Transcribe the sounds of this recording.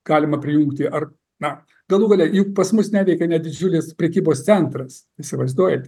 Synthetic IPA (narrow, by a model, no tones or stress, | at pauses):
ɡ̥ɑːlʲɪmɐpʲɾʲɪjuŋkt̪ʲɪʔɐr | nɐ | ɡ̥ɐlˠuːɡɐlʲɛjʊkpɐsmʊsnʲæːʋʲɛɪkʲɛnʲɛdʲɪd͡ʒʲʊlʲɪspʲɾʲɛkʲiːboːstt͡ssʲɛnt̪ɾɐs | isʲɪʋɐɪzd̪uɔjɛt̪ʲ